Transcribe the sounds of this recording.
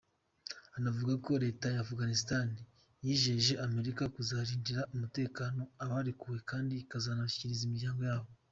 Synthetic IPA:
anavuɡako̞ɾe̞ːtajaːfuɡanisitani | jiːʒe̞ʒe̞ʔame̞ɾikakuzaːɾiːɲd͡ʒiɾaʔumute̞ːkaːno̞aβaɾekuwe̞kaːndikazanaʃi̥ciɾizimiɾɟaːŋɡo̞jaːβo̞

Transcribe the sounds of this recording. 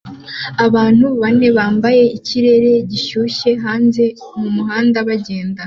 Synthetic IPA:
aβaːn̥huβane̞βaːmbaje̞iciɾe̞ɾe̞ɟiʃuʃe̞ɦaːnze̞ | mumuɦaːndaβaɟe̞ːnda

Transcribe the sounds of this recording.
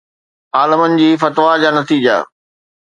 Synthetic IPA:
aːləmənɪ̆d͡ʑiːfɐt̪ʋad͡ʑaːnɐt̪iːd͡ʑa̰

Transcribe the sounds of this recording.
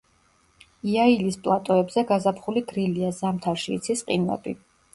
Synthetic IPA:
iailispʼlˠat̪ʼɔɛbzɛɡazapʰχuliɡɾiliazamt̪ʰaɾʃiːt̪sʰisqʼḭnvɛ̰bḭ

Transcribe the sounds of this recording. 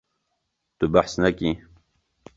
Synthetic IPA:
t̪ubaħsnɐkiː

